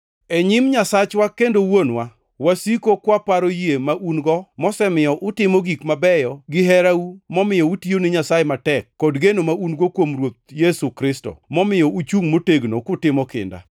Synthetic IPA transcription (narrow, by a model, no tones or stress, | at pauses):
eɲimɲasat͡ʃwakendowonwa | wasikokwapaɾojemaʔunɡɔmɔsɛmɪjɔʔʊtɪmoɡikmabɛjɔɡɪɦɛɾaumɔmɪjɔutionɪɲasajematɛkːɔdɡenomaunɡokwomrwot̪̚jesukɾɪsto̰mɔmɪjɔʔut͡ʃuŋmoteɡnokʊtɪmɔkɪ̰nda̰